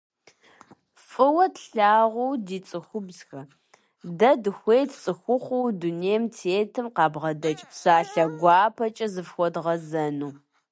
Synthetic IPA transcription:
fʼɨwɐtɬaːʁʷʊwdiːt͡sʼɨxʷʊbzxɐ | dɐdɨxʷejtʰt͡sʼɨxʷʊχʷʊwduneːmtʰeːtʰɨmqɑːbʁɐdɐt͡ʃʼpsaːɬɐɡʷɑːpʰɐt͡ʃʼɐzɨfxʷɔdʁɐzɐnuː

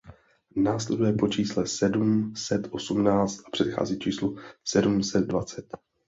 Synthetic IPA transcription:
naːslɛdujɛpo̞t͡ʃiːslɛsɛdumsɛt̪ʔo̞sumnaːt͡st̪̚ʔḁpr̥ɛt̪xa̰ːziːt͡ʃiːslusɛdumsɛd̪̚dvat͡sɛt̪

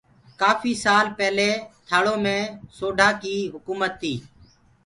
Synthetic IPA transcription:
kaːfʰiːsaːlpɛːleːt̪ʰaːɭoːmẽːsoːɖʱaːkiːɦʊkuːmət̪ʰːiː

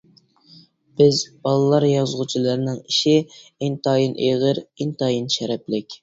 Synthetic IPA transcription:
b̥ɪzbɑlˠɨlˠːɑɾjɑzʁut͡ʃʰilˠɑɾnɨŋiʃɪint̪ʰɑːjinʔeʁəɾint̪ɑːjinʃɛɾɛplɪkʲ

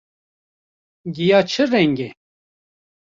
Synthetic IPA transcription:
ɡijaːt͡ʃʰɨɾɛŋɡe

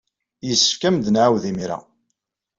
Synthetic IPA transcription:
jəsːə̥fkæmd̪nʕawðimiɾa̰

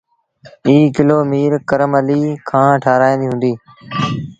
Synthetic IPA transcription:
iːkɪloːmiːɾkəɾəməliːkʰãːʈʰaːɾaːĩːnd̪iːɦũːnd̪iː

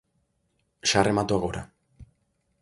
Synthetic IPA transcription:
ʃaremat̪uaɣoɾa̰

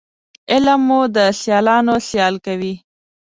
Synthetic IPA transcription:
ɪlmːud̪əɬjɑlɑnoɬjɑlkawi

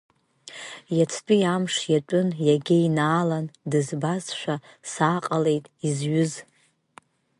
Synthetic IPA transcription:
jat͡sʰt͡pʼijamʂjat͡pʷʼʊnjaɡʲejnaːlandɨzbazʃʷᶣasaːqʼale̞jtʼizɥʊz

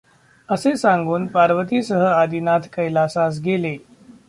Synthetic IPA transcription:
əsesãŋɡuːnpaɾʋət̪iːsəɦəad̪inat̪ʰkəjlasas̬ɡele

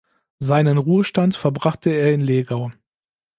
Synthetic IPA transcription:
zaɪnənʁuːəʃtantfɛɐbʁaχtʰəeːɐɪnleːɡaʊ

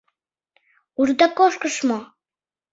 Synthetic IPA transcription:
urd̪ɑkoʃkəʃmo

